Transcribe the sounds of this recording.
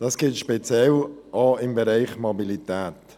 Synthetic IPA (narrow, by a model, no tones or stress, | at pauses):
d̥ɑsɡ̥ɪlt̪ʃpet͡sjɛlʔɔɪmbɛɾɛɪχmobilitæːt̪